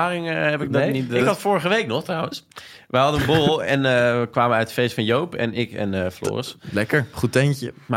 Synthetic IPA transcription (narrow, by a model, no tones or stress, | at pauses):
aːrɪŋɦɛpɪkɡ̚dnitɪkkɦɑtfʊːɹəχəʋejknɔχtrʌwə̃ns | ʋɛjɦɑdənənbolˠɛnəəkʋaːmənœɥtə̥fejstfɑnjowpɛ̰nɪkɛ̰nəflʊ̰ːrənslɛkəɹχutɛnəma